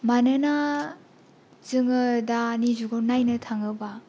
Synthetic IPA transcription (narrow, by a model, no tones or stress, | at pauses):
manɯna | zɯŋɯdaːnizuɡonajnɯtʰaŋɯba